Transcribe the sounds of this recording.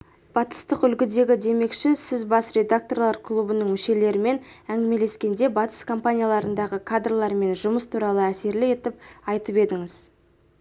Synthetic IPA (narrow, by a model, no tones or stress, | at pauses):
b̥ɑt̪ə̥st̪əqʏlɡʲɪd̪e̞ɡʲɪd̪e̞me̞kʃɪsɪzbɑsɾe̞d̪ak̚t̪o̞rlˠɑɾkʰlˠubənəɴmɪʃe̞le̞ɾɪme̞næŋɡ̪ʲɪme̞le̞skʲe̞nd̪e̞bɑt̪ə̥skʰo̞mpanʲijalˠɑɾənd̪ɑʁəkʰad̪rlˠɑɾme̞nʒʊməst̪ʰuɾɑlˠəæse̞ɾlɪe̞t̪ɪp̚ɑjt̪əpe̞d̪ɪŋɪz